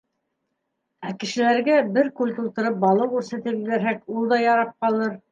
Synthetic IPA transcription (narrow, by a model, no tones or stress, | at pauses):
ækɘ̆ʃɘ̆læɾɡæbɘɾkulʲt̪ulˠt̪ɤ̆ɾɤp̚bɑlˠɤwkʉɾsæt̪ɘpiɡæɾɦækulˠd̪ɑjɑɾɑp̚qɑlˠɤɾ